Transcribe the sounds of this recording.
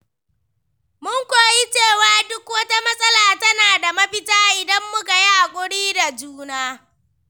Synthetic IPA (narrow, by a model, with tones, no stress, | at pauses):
mʊ˦ŋkʷoː˨ji˦t͡ʃeː˦˨waː˦dʊ˦kwɐ˦ta˦mɐ˦sʼɐ˦laː˨tɐ˦naː˨da˨mɐ˦ɸɪ˦taː˦ʔɪ˨dɐ˦mːʊ˦ka˨ja˦ʔa˨kʷʼʊ˦ɽiː˦da˨d͡ʒuː˦naː˦